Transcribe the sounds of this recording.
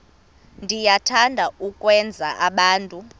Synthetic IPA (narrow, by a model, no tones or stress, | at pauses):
ndʱijatʰandʱaukʼwɛnd͡zʱaʔaɓaːntʼu